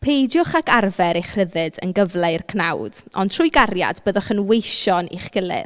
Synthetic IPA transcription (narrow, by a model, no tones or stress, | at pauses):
pʰejdjʊχakarvɛɾeχr̥əðɨdə̰nɡəvlˠeɨrkʰnawd̥ɔ̰ntʰrʊjɡaɾja̰dbəːðɔχənwejʃɔnḭχɡ̥ɪlˠɪ̰ð